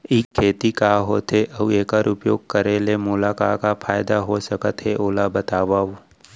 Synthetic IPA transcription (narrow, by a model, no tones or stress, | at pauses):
ɪkʰːeːt̪ikaɦot̪eʔɐeːkəɾʊpjoːɡ̚kɐɾelemʊlaːkaːkapʰaːjd̪aɦosɐkət̪ɦeʔoːlabɐt̪aːʋaːu